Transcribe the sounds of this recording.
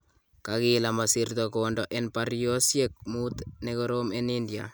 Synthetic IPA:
kakɪlamɔsirt̪ɔkondɔʔenpaɾjosjek̚mut̪nekoɾomenindja̰

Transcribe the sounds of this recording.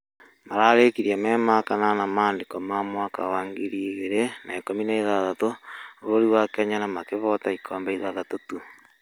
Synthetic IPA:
maɾaːɾekiɾjamɛːmakananamaːndekɔmamwaka̰waːŋɡiɾiɣeɾenaːkominaiðaðatooβoɾiwakaɲanamakeβɔtaikʰɔːmbaiðaðatotu

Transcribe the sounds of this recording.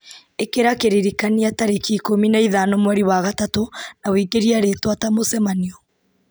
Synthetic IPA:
ekeɾakeɾiɾikaniataɾekikominaiðanomwaɾiwaɣatatonawiːɡeɾiaɾetwatamosɛmaniɔ

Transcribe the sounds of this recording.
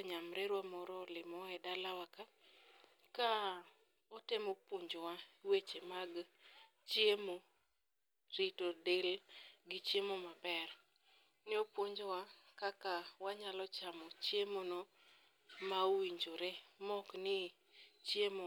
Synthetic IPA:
ɲamɾeɾwamɔɾɔlɪmɔɛdalawaka | ka | ɔtemopwoɲd͡ʒowawet͡ʃemaɡ | t͡ʃjemo | ɾitodelɡɪt͡ʃjemomabɛr | nɛopwoɲd͡ʒowakakawaɲalɔt͡ʃamɔt͡ʃjemonɔ | maowiɲd͡ʒoɾemɔknɪ | t͡ʃjemo

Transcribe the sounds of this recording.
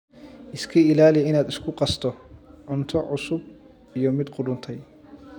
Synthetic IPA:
ʔɪskʰɐɪlaːlɪjɛɪnaːd̪ɪskʰʊqɑst̪ʰɔʕʊnt̪ʰɔʕʊsʊb̚ | ijɔmɪd̪qʊdʊnt̪ʰɛj

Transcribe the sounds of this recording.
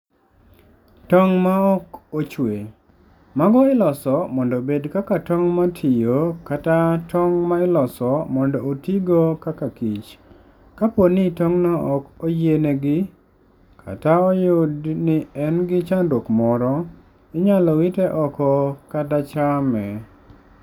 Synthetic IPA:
tɔŋmaɔkot͡ʃwe | maɡɔɪlɔsɔmɔndɔbedkakatɔŋmatʰɪjokatatʰɔŋmaɪlɔsɔmɔndɔotiɡokakakit͡ʃ | kaponɪtɔŋnaʔɔkojeneɡɪ | kʰa̰taɔjʊdnɪɛnɡɪt͡ʃandokmɔɾɔ | ɪɲalɔwitɛʔɔkɔkatat͡ʃamɛ

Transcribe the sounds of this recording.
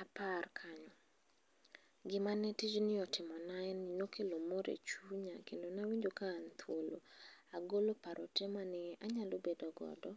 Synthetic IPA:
aparkʰaɲɔ | ɡɪmanɛtid͡ʒnɪɔtɪmɔnaɛnɪnokʰelomoɾḛt͡ʃuɲa̰kendonawiɲd͡ʒokaːnt̪ʰwolo̰aɡolopaɾʔɔ̰tɛmanɪʔaɲalobedɔɡɔ̰dɔ

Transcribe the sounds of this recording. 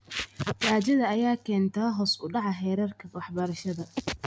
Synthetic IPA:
taːt͡ʃɐðɐɐjaːkʰɛːnt̪ʰɐːɦɔːsʊɖɑʕɑɦɛːɾɐrkʰɐwɑħbɐɾɐʃɐðɐ

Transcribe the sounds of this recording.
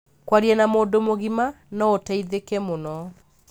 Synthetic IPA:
kwaɾiɛnamoːndomoɣima | nɔotaiðekɛmonɔ

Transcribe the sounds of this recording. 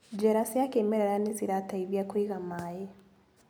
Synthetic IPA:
d͡ʒɛɾasiakemeɾeɾaneziɾataiβjakwiɣamaje

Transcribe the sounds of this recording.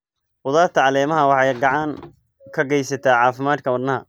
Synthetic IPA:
wʊðaːrt̪ʰɐʕɑlɛːmɐɦɐwɑħɑjɡɑʕɑŋ | kʰɐɡɛjsɐt̪ʰaːʕɑːfɪmaːd̪̚kʰɐwɐd̪nɐɦɐ

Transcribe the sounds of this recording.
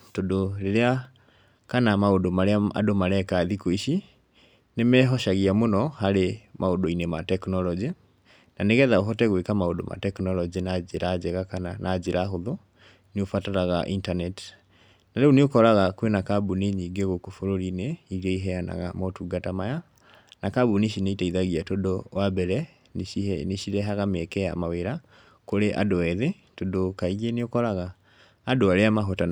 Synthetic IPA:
todoɾeɾea | kanamaodomaɾeaa̰domaɾɛkaðikoiʃi | nemɛɦɔʃaɣiamonɔhaɾemaodoinematɛknɔlɔd͡ʒi | naneɣɛðaoɦɔtɛɣwekamaodo̰ma̰tɛknɔlɔd͡ʒinaeɾad͡ʒɛɣakananad͡ʒeɾaɦoðo | niofataɾaɣaʔintanɛti̥ | naɾeoneokɔɾaɣakwenakabuneɲiɡeɣokofoɾoɾineiɾeiɦɛana̰ɣamɔtuɡatamaja | nakabuneʃineitaiðaɣiatodowabɛɾɛ | neʃiɾɛɦaɣamɛkɛa̰maweɾa | koɾeʔa̰doɛðe | todokaiɣeneokɔɾaɣaː | doaɾeamaɦota

